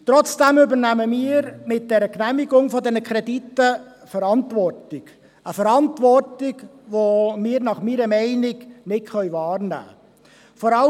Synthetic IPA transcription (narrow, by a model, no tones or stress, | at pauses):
t̪ɾɔt͡sd̥ɛmybəɾnæməmiːɾmɪt̚d̥ɛɾəknæmiɡʊŋfɔdɛnəkʰɾɛditːə | fəɾɑntvɔrtɪɡ̥ | əfəɾɑntvɔrtɪɡʋomɪːɾnɑχmiːɾəmɛɪnɪɡnɪtχœʏvɑːɾnæ̰ː | fɔɾɑl